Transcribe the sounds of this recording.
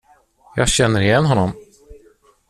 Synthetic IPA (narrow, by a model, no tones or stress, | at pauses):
jɑːɡɕɛnːəɾɪjɛnːɦɔnːɔm